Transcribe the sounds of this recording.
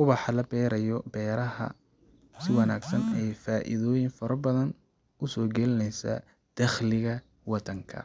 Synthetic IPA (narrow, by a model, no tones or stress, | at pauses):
wʊβɑħɑlɐbɛːɾɐjɔbɛːɾɐɦɐ̰ | sɪwɑnaːɡsɐnɛjfaːʔɪ̰ðɔːjɪŋfɐɾɐbɐðɐn | ʊsɔːɡɛlɪnɛjsɐ̰ | d̪̥ɐχlɪɣɐ | wɑd̪ɐŋkʰɐ̰